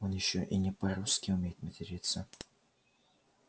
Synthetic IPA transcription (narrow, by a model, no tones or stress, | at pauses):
onjɪɕːoʔinʲɪpɐɾuskʲɪʊmʲejɪt̪mətʲɪɾʲit̪sːə